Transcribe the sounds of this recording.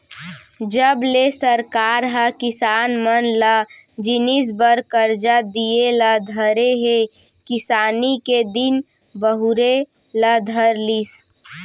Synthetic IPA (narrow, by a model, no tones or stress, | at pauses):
d͡ʒəblesəɾkaːɾɦəkɪsaːnmənləd͡ʒɪnis̬bəɾkəɾd͡ʒad̪ieləd̪ʱəɾeɦe | kɪsaːniked̪ɪn | bəɦʊɾe | ləd̪ʱəɾlis